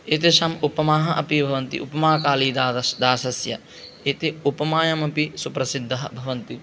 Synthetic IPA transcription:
et̪iʃɐmupɐmaːɦɐʔɐpibʱɐʋɐnt̪ḭʔupɐmaːkaːliːd̪ːd̪aːsɐsjɐ̰ | et̪iupɐmaːjɐmɐpisupɾɐsid̪ʱːɐɦɐ̰bʱɐʋɐnt̪i

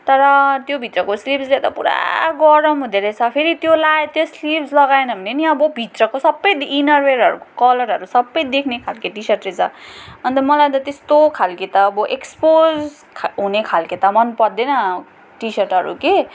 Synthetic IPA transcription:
t̪ʌɾʌt̪jobʱit̪rʌkoslipʰslat̪ʌpṵɾa̰ɡʌɾʌmɦud̪eɾet͡sʰʌpʰeɾit̪jolaet̪jʌslipʰslʌɡaenʌbʱʌneniʌbʌbʱit̪rʌkosʌbːʌjd̪inʌrweɾʌɾuko̥kʌlʌɾɦʌɾusʌbːʌjd̪ekʰnekʰalkeʈisʌrʈret͡sʰʌʌnt̪ʌmʌlajnt̪ʌt̪est̪okʰalket̪ʌːbʌʔekspozʰ | ɦunekʰalket̪ʌmʌnpʌrd̪enʌ | ʈisʌrʈɦʌ̰ɾṵke

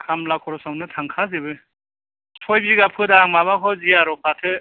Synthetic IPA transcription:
kʰamlakʰɔɾɔsamnɯtʰaŋkʰazɯbɯ | sʰɔjbiɡapʰɯdaŋmaβakʰɔziaɾɔp̚ʰatʰɯ

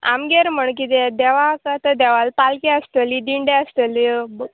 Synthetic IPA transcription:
a̰mɡeɾm̤əɳk̬it̪ed̪ɛʋakat̪əd̪ɛʋalpalkɛəst̪əlid̪iɳɖeəst̪əlibə

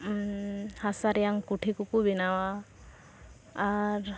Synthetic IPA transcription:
hasaɾɛjaŋkuʈʰikukubinawa | ɾ

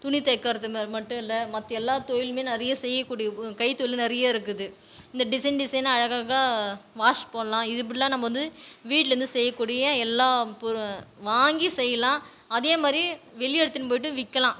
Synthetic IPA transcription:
t̪ʊnɪt̪ɐkːaːɾɐt̪ːɯmmɐʈːɯ̃ɪlːɐmɐt̪ːɛlːaːt̪ɔjɪlmeːnɪɾɐjɐsɛjːɐkːuːɽɪjɐkɐɪt̪ojɪlnɪɾɐjaːɪɾɯkːɯðɯ | ɪnd̪ɐɖɪsɐɪnɖɪsɐɪnɐɻɐɣaːɣɐaʋaːʂpoːlɐlãːɪðɯpːɐɽɪlãːnɐmːɐʋɐnd̪ɯʋiːʈlɾɯnd̪ɯsɛjːɐkːuːɽɪjɐɛlːaːpʋaːŋɡisɛjːɐlãː | ɐðeːmaːd̪ɾi | ʋɛɭɪɛɽɯt̪ːɪnɯp̬oːjɪʈːɯ̃ʋɪkːɐlãː

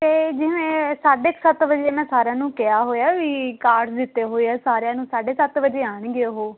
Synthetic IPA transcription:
t̪eːd͡ʒɪmẽːsaːɖeːksət̪ʋəd͡ʒeːmɛ̃ːsaːɾãːnũːkeaːɦoːjaːʋiːkaːɾɖsd̪ɪt̪ːeːɦoːeɛːsaːɾejãːnũːsaːɖeːsət̪ʋəd͡ʒeːaːɳɡɪeɦoː

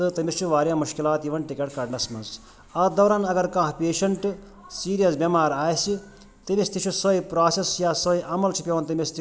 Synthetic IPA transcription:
t̪ɨt̪ɐmʲist͡ʃʰuʋaːɾjãːmuʃkilaːt̪iʋɐnʈikɐʈkɐɖnɐsmɐnz | ɐd̪ɐːɾaːnɐɡɐɾkãːɦpeːʃɐɳʈ | siːɾijɐsbʲɐmaːɾaːjsi | t̪ɨmist̪ʰit͡ʃʰusɐipɾaːsesjaːsɐiʔɐmɐlt͡ʃʰipʲjeʋɐnt̪ɐmist̪ʰi

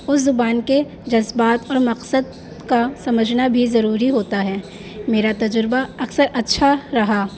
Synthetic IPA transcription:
ʊszʊbaːnke | d͡ʒɐzbaːt̪ɔːɾmɐqsəd̪̚ | kasɐməd͡ʒʱnabʱizɐɾuːɾiɦoːt̪aɦɛː | meːɾat̪ɐd͡ʒɾbaɐksəɾɐtːʃʰaɾɐɦaː

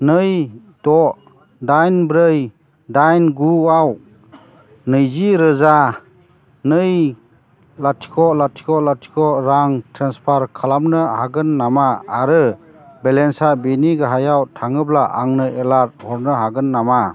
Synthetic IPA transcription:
nɯj | dɔʔ | dajnbɾɯj | dajnɡuaw | nɯjziɾɯza | nɯj | latʰi̥kʰɔlatʰi̥kʰɔlatʰi̥kʰɔɾaŋtʰɾanspʰaɾkʰalamnɯhaɡɯnːamaaɾɯ | belensabiniɡaɦajawtʰaŋɯblaʔa̰ŋnɯɛlaɾhɔɾnɯɦaɡɯnːama

